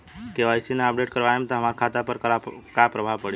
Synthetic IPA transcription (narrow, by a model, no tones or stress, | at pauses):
keʋajsineəp̚ɖeʈkəɾʋaɦẽmt̪ɔɦəmaɾkʰat̪apəɾkkapɾəbʱaʋpəɽi